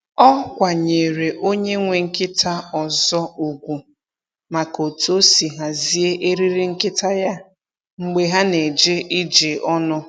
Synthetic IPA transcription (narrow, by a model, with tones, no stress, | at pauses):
ɔ˦kʷa˨ɲe˨ɾe˨ʔo˦ɲe˦ŋʷe˨ŋ̩˦kɪ˦tʰa˦ɔ˨zɔ˦u˨ɡʷu˨ | ma˨ko˨tu˨o˦si˨ɦa˨zi˦e˦ʔe˦ɾi˦ɾi˦ŋ̩˦kɪ˦ta˦ja˦ | ŋ͡m̩˦ɡ͡be˦ɦa˦ne˨d͡ʒe˦ʔi˦d͡ʒe˨ʔɔ˦nʊ˦